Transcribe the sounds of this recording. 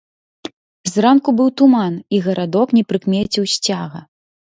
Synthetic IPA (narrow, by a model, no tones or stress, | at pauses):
zrankubɨwt̪umaniɣɐɾʔad̪ɔknʲɛpɾɨkmʲɛt͡sʲiwsʲt͡sʲaɣɐ̰